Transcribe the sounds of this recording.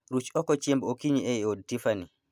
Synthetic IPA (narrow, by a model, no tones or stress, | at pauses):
ɾut͡ʃɔkɔt͡ʃembokiɲiɛjoɗtifani